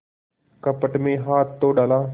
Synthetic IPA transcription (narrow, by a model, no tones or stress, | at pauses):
kəpəʈmẽːɦaːt̪ʰːoːɖaːlaː